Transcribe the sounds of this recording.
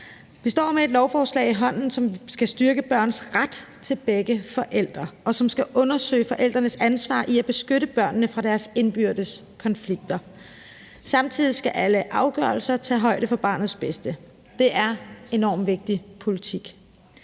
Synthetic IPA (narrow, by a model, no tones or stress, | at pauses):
ʋisd̥ɒ̰ːmee̝d̥lɒʊfɒːslɛ̰ɪiɦɒ̽n̰n̩sɒ̽msɡ̥æsd̥yɐɡ̥əb̥ɶɐ̰nsʁad̥ | t͡sʰe̝lb̥eɡ̥əfɒ̽ʔel̰d̥ʁɐʔɒ̽sɒ̽msɡ̥æʔɔ̽nɐsø̰ːɪfɒ̽ʔel̰d̥ʁɐnəsænsʋɑ̰̈ːʔiæb̥e̝sɡ̥øɾəb̥ɶɐ̰nːəfʁɑ̈ɾ̥æɐse̝nb̥yɐ̰d̥əs | kʰɒ̽nfliɡ̥̚d̥ɐ | sɑ̈mt͡sʰið̰ˠisɡ̥æʔæləʔɑ̈ʊɡ̥ɶɐlsɐt͡sʰɛ̰ːɦɒ̽ɪ̰ɾ̥əfɒ̽b̥ɑ̰̈ːnð̞̩ˠsb̥esd̥ə | d̥e̝ʔæɐe̝nɒ̰ːmʋe̝ɡ̥̚d̥ipʰo̝lit͡sʰiɡ̥